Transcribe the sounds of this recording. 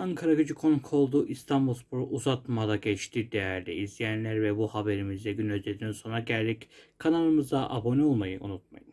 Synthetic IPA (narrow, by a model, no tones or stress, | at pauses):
aŋkʰaɾaɟød͡ʒykʰoŋkʰo̞lˠd̪uʔist̪ʰambulˠspuɾʔuzat̪mad̪aɟɛt͡ʃt̪ʰiɾd̪ejæɾlʲiizlʲijænlʲæɾvɛbuhabe̞ɾimizd̪ɛɟynøzed̪inso̞nɾaɟælʲd̪ickʰanalˠɯmɯzd̪aʔabo̞nio̞lˠmajɯʔṵnut̪̚ma̰jɯm